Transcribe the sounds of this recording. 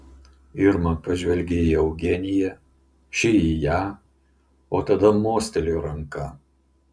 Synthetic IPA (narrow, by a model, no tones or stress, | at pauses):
ɪɾmɐnpɐʒʲʋʲɛlʲɡʲeiɐʊɡʲɛnʲɪjɛ | ʃʲɪijæː | oːt̪ɐd̪ɐmoːsʲt̪ʲɛlʲoːɾɐŋkɐ